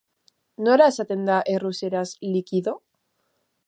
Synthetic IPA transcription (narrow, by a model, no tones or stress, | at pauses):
noɾasat̪end̪aʔeruseɾaslikiðo